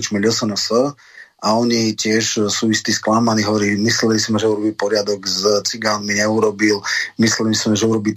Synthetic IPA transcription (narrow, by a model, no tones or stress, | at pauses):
t͡ʃmɛʎɔsənəsə | aɔɲicɪɛʃsuːist̪isklamaniːɦɔʋɔɾiːmislɛlisimɛʒɛuɾɔbipɔɾɪad̪ɔɡzt͡siɡanmiɲɛuɾɔbilmislɛliisimɛʒɛuɾɔbi